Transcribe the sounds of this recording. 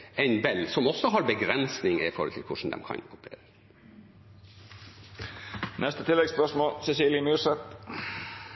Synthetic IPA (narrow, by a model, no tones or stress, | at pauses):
æɪnbɛlsɔmɔsːɔɦɑɾbəɡɾɛnsnɪŋɪ̰fɔɾɔlt̪ʰɪlkʰʊʂn̩d̪ɛ̰mkʰɑ̰nkʰʊpəɾḛːɾə | nʔɛst̪ət̪ʰɪlːɛɡspœʂmoːlsɛsiːljəmyːʂɛt̪